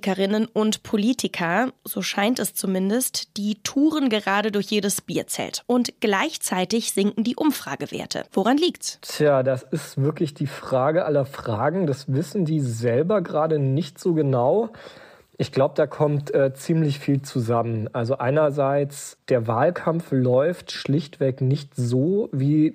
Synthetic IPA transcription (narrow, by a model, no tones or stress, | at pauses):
kəʁɪnənʊntpʰoliːtʰɪkʰɐzoːʃaɪntɛst͡sumɪndəstd̥iːtʰuːʁənɡəʁaːdədʊɐçjeːɾəsb̥iːɐt͡sɛ̰ltʔʊntɡ̥laɪçt͡saɪtɪçz̥ɪŋkŋ̩diːʔʊmfʁ̥a̰ːɡəvḛːɐtʰə̰voʁanliːktstʰjaːdasɪstv̥ɪɐklɪçd̥iːfʁ̥aːɡəʔalɐfʁ̥aːɡŋ̩d̥asvɪsn̩diːzɛlbɐɡəʁaːdənɪçtz̥oːɡənaʊ | ʔɪçɡ̥laʊbədaːkʰɔmtʔɛːt͡siːmlɪçfiːlt͡suzamənʔalzoʔaɪnɐzaɪt͡sd̥eːɐvaːlkʰamflɔʏftʃlɪçtv̥ɛknɪçtzoːviː